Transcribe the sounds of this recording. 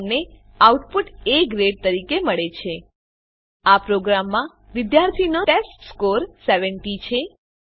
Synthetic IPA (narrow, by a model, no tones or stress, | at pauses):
ne | auʈpuʈekɾeɖ̚t̪əɾikeməɭet͡ʃʰe | apɾoɡɾamːã | ʋɪd̪jaɾt̪ʰinoʈesʈskoɾseʋəɳʈit͡ʃʰe